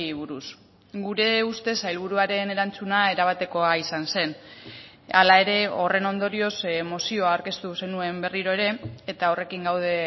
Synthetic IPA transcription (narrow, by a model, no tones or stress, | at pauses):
βuɾus | ɡuɾe̞ust̪e̞sajlβ̞uɾuaɾe̞ne̞ɾant͡sunae̞ɾaβ̞at̪e̞ko̞aisanse̞n | alae̞ɾe̞o̞re̞no̞nd̪o̞ɾio̞smo̞sio̞aowɾke̞st̪use̞nue̞mbe̞riɾo̞e̞ɾe̞ːt̪ao̞re̞kiŋɡawð̞e̞